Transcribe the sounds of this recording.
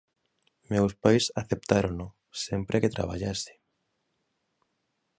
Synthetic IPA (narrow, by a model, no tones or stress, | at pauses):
mewspajsaθep̚t̪aɾono | sempɾʔeket̪ɾa̰β̞a̰ʎase̥